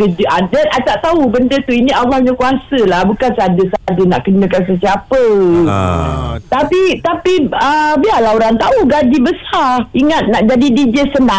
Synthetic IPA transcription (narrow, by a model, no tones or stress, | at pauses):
ɡəd͡ʒəʔadəat͡ʃaʔt̪aubəndət̪uinialːahɲãkuasəlahbukansəadəsəadəna̰ʔkənə̃kansəsiapə | t̪apit̪apiəbialaoɾaŋt̪auɡad͡ʒibəsaiŋat̪̚naʔd͡ʒadidid͡ʒəsəna